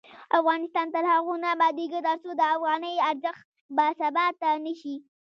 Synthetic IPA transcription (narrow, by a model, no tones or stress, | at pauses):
afɣɑnɪst̪ɑnt̪alhaɣunabɑd̪eɡət̪aɾsod̪əafɣɑnəjaɾzəxt̪ | basabɑt̪ːanəʃi